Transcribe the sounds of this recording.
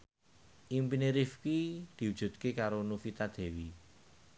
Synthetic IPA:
ʔimpineɾifkid̪̥i̤wud̥ʒ̥ṳt̪̚kekaɾonufit̪ad̪̥e̤wi

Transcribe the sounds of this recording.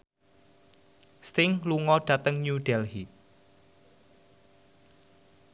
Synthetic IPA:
st̪ɪŋluŋɔɖ̥a̤t̪əŋɲuɖ̥ɛlhi

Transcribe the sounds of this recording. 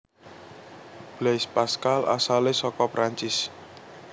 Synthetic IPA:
b̥lespaskala̰salesɔkɔpɾaɲt͡ʃɪs

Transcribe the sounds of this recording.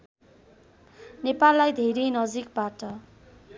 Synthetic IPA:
nepalːajd̪ʱeɾejnʌd͡zik̚baʈʌ

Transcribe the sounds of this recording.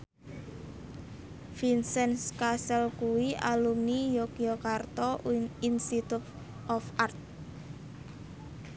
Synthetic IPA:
finsɛnskasɛlkuwialumnijokiɔkart̪ɔinst̪it̪ut̪ | ʔɔfart̪̚

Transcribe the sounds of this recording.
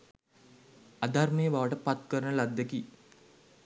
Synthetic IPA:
ad̪armejəbaʋəʈəpat̪kəɾənəlad̪ːəki

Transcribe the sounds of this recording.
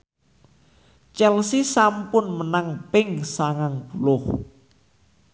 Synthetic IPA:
t͡ʃɛlsisampʊnmənaŋpɪŋsaŋaŋbulʊh

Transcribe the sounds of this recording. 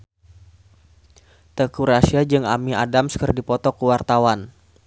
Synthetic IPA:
t̪əkuɾasiad͡ʒɨŋamiadamskərdipɔt̪ɔkəwart̪awan

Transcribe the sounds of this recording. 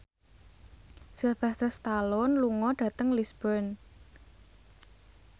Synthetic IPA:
silfɛst̪əst̪alɔnluŋɔɖ̥ä̤t̪əŋlisbərn

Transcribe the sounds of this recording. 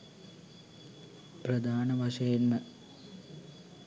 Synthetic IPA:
prɐd̪ʱaːnɐʋɐʂɐjenmɐ

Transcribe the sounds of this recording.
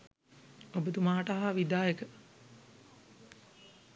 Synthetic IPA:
obət̪umaːʈaɦaʋid̪aːjekə

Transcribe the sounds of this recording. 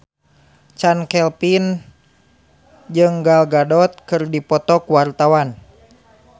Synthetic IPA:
t͡ʃankɛlpin | d͡ʒɨŋɡalɡadɔt̪̚kɨrdipɔt̪ɔkwart̪awan

